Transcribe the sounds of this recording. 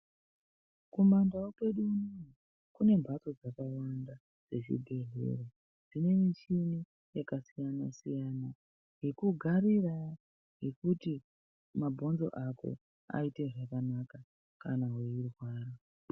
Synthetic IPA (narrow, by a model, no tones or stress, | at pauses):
kumandawope̞ɗunu | kune̞mbʱat͡so̞d͡zakawanda | d͡ze̞ʐḭɡʱe̞ɮḛro | d͡zine̞mit͡ʃini | jakasijanasijana | ɦekuɡʱaɾira | ɦe̞kuti | mabʱo̞nzo̞̰ʔako̰ | a̰ite̞ʐakanaka | kanaɦeirwaːra